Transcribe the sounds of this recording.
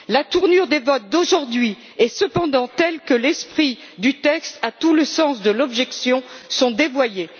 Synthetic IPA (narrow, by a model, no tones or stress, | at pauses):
lat̪uʁnyʁd̪evɔt̪̚d̪oʒuʁd̪ɥi | ɛsəpɑ̃d̪ɑ̃t̪ɛlkəlɛspχi | d̪yt̪ɛkst̪at̪uləsɑ̃sd̪əlɔbʒɛksjɔ̃sɔ̃d̪evwaje